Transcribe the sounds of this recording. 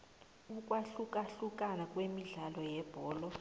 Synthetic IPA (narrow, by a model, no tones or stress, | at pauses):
uk̬ʼwaɬukʼaɬuk̬ʼanakʼwemiɮalɔjɛb̥ʱɔːlɔ